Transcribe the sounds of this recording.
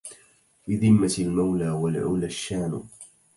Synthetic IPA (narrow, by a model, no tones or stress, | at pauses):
bɪðɪmːalmawlaːwalʕuːlaʃːaːn